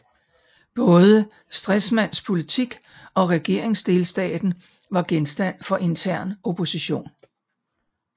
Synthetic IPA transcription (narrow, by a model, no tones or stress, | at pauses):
b̥ɔ̽ːð̞ˠə | sd̥ʁɛsmæn̰spʰo̝lit͡sʰiɡ̥ɒ̽ʁɛɡ̥e̝ɐ̰e̝ŋsd̥e̝lsd̥ɛ̰ːd̥n̩ | ʋɑ̈ɡ̥ensd̥æn̰fɒ̽ʔe̝nt͡sʰæɐ̰no̝pʰo̝siɕo̝̰ːn